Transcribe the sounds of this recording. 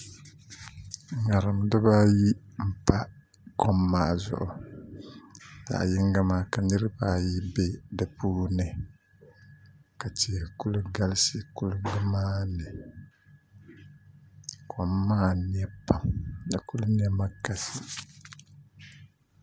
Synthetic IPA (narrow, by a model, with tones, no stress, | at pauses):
ŋa˨ɾɨ˨mdɨ˦baː˦ji˦m̩˨pa˦ | kɔ˦mːaː˨zʊ̰˨ʔʊ˨ | ja̰˨ʔjɪ˦ŋɡa˦maː˦ka˨nɨ˦ɾɨ˦baː˦ji˦be˦dɨ˨puː˦nɨ˨ | ka˨ti˨ku˦lɨ˦ɡa˦lɪ˦si˦ku˦lʊ˦bɨ˦maː˦nɨ˨ | kʰɔ˨mːaː˦ni˦ɛ˦pa˨mdɨ˨ku˦lʊ˦n˦ɛ˦ma˦ka˨si˦